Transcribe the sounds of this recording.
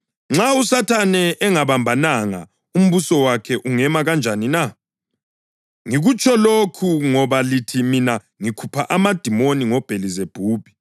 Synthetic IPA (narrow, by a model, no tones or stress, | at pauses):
ŋ͡ǁausatʰanɛʔːŋaβambʱanaŋa̰ | um̩βusɔwakʰɛʔuŋɛmaɣand͡ʒʱanina | ŋiɣut͡ʃʰɔlokʰuŋɔβalitʰimina | ŋikʰupʰaʔamad̥ʱimoniŋɔb̥ʱelizeb̥ʱuːb̥ʱi̥